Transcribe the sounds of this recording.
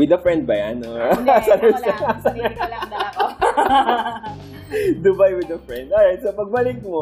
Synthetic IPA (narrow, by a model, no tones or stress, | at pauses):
wɪd̪ɐfɹɛ̃nd̪̚bɐjanosanɛsɐsanɛ | d̪ʊbajwɪd̪ɐfɹɛ̃nd̪ajɛd̪sɐpɐɡ̚bɐlɪk̚mo